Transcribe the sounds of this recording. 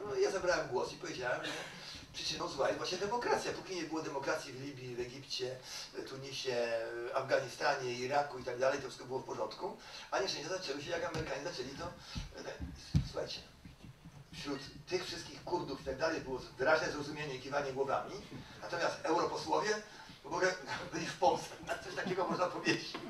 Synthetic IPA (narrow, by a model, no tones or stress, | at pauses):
nɔjazabɾawɛmɡwɔsipɔvʲed͡ʑawɛmʐɛ | pʂɘ̥t͡ʂɘnɔ̃wzwajɛvwaɕɲɛd̪ɛmɔkɾat̪sʲjapukʲiɲɛbɘwɔd̪ɛmɔkɾat̪sʲjivlʲibʲjivɛɡʲipt͡ɕɛt̪uɲiɕɛavɡaɲist̪aɲɛiɾakuit̪aɡ̚d̪alɛjt̪ɔfʂɘ̥kɔbɘɨwɔfpɔʐɔnt̪kuaɲɛʃʂtɛ̃ɕd͡ʑazat͡ʂɛwɘɕ̬ɛjakamɛɾɘkaɲɛzat͡ʂɛlʲit̪ɔnsuxa̰jt͡ɕɛ̥ | fɕɾut̪ːɘxfʂɘst̪̚kʲixkuɾd̪ufit̪aɡ̚d̪alɛjbɨwɔvɘɾaʑnɛzɾɔzumʲjeɲɛikʲivaɲɛɡwɔva̰mʲinat̪ɔmʲjast̪ɛwɾɔpɔswɔvʲjɛ | bɔɡɛbɘlʲispɔnsɛnat̪sɔɕt̪akʲɛɡɔmɔʐnapɔvʲjed͡ʑet͡ɕ